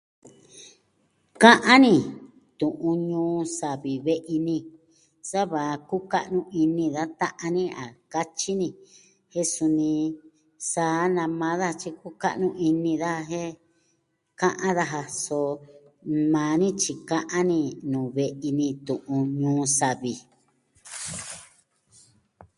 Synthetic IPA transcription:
kã˦ʔã˦nĩ˧˨ | t̪ũ˨ʔũ˧ɲũː˦sa˨βi˨βe˦ʔi˧nĩ˧ | sa˦βa˨˧ku˦ka˦ʔnũ˦i˧nĩ˧ða˦t̪ã˦ʔã˧nĩ˦a˨ka˦t͡ʃi˦nĩ˧˨ | he˦su˧nĩ˧ | saː˨˧˦nã˧mã˧˦ða˦˧t͡ʃi˧ku˦ka̰˦ʔnũ˧ʔi˧nĩ˧ða˦ɦe˦ | kã˦ʔã˦ða˧ɦa˧so˧ | mãː˨˧nĩ˦t͡ʃi˧kã˦ʔã˦nĩ˧nũ˨βe˧ʔi˧nĩ˧t̪ũ˨ʔũ˧ɲũː˦sa˨βi˨

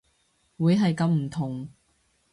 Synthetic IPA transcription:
wuː˨˧jɦɐ˨jkɐ˨˧˥mm̩˨˩t̪ʰʊ˨˩ŋ

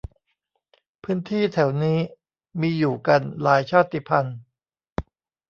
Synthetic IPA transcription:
pʰɯː˦˥nt̪ʰiː˥˩t̪ʰɛ˩˦wniː˦˥ | miː˧juː˨˩ka˧nlaː˩˦jt͡ɕʰaː˥˩t̪ʰːi˧˩pʰa˧n

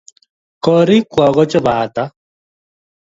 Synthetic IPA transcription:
kɔ˨ɾi˦kwɔ˨ɣɔ˦t͡ʃɔ˦ba˨ta˦

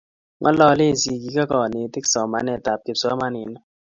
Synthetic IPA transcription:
ŋʔɔ̰˦lɔ˦˨le˦˨si˨ɡi˨˦ka˦kɔ˨nɪ˨tɪ˦ksɔ˨ma˨˦nɛ˨ta˨p̚kɪ˨psa˦ma˦nɪ˨n˦

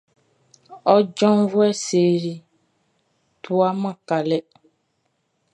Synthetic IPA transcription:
ɔ˦d͡ʒɔ̃˦n˦vo˦ɛ˦se˨ɾi˨ | t̪ʰu˦a˦mã˦ka˨lɛ˦

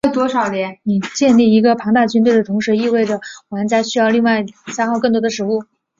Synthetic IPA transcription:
e˥˩t̪wɔ˥ʂɑ˨˩ʊljɛ˧˥nni˨˩t͡ɕjɛ˥˧nli˥˩i˧˥ɡə˧pʰɑ˧˥ŋt̪a˥˩t͡ɕy˥nt̪we˥˩ɪd̪ə˩t̪ʰʊ˧˥ŋʂɻ̩˧˥i˥˧we˥˩ɪʈ͡ʂə˩wa˨˩ə˥nt͡sa˧˥ɪɕy˥jɑ˥˧ʊli˥˧ŋwa˥˩ɪsa˥xɑ˥˧ʊkɤ˥˩ŋt̪wɔ˥d̪ə˧ʂɻ̩˧˥u˥˩

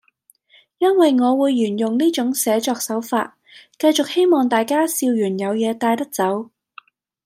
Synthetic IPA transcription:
jɐ˥nwɐ˨jŋɔː˨˧wuː˨˧jːyː˨˩njʊ˨ŋniː˥t͡ʃʊ˨˥ŋsɛː˨˧t͡ʃɔː˧k̚sɐ˨˥wfa̰ː˧t̚ | kɐ˧jt͡sʊ˨k̚he˥jmɔː˨˩ŋt̪aː˨jkaː˥siː˧wjyː˨˩njɐ˨˧wjɛː˨˧t̪aː˧jt̪ɐ˥k̚t͡sɐ˨˥w

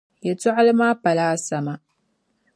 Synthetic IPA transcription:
ja˨to˦ʔa˦lmaː˦pɐ˨laː˦sɐ˨ma˦˨

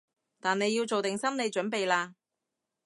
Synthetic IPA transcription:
t̪aː˨ne˨˧jːiː˧wt͡so˨wt̪ɪ˨ŋsɐ˥mne˨˧jt͡ʃɵ˨˥npe˨jlaː˧

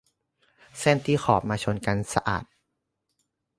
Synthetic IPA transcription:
sɛː˥˩nt̪ʰiː˥˩xʰɔː˨˩p̚maː˧t͡ɕʰo˧nka˧nsa˧ʔa̰ː˨˩t̪̚

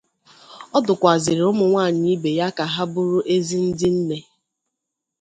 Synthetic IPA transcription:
ɔ˦dʊ˨kʷa˨zɪ˨ɾɪ˨ʊ˦mʊ˨ŋʷaː˦˨ɲɪ˦i˦be˨ja˦ka˨ɦa˦bʊ˦ɾʊ˦ʔe˦zi˦n̩˦dɪ˦n̩˦ne˦

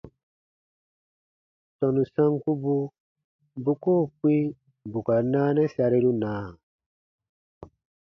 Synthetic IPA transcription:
tɔ˨nu˨sã˦ŋku˦bu˦ | bu˦koː˦˨kwĩ˦ | bu˨ka˨naː˦nɛ˦sa˧ɾi˦ɾu˦naː˨˦a˨

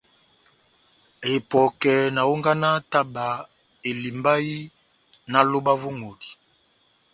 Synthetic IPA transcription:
e˨pɔ˨kɛ˨na˨o˦ŋɡa˦na˦ta˦ba˨ | e˨li˨mba˦ji˦ | na˨lo˦ba˦vo˦ŋo˨di̥˨

